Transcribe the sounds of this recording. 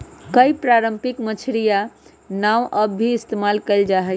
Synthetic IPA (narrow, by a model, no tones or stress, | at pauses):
kəipɾaɾəmpikmət͡ʃʰɾija | nawʔəbʱiːst̪emalkəɪld͡ʒaɦɛ